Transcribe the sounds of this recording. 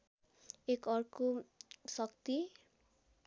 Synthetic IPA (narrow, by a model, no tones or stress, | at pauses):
ekʌɾkosʌkt̪i